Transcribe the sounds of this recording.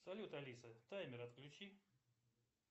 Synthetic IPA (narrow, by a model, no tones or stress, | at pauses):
sɐlʲut̪ɐlʲisət̪ajmʲɪɾɐt̪klʲʊt͡ɕi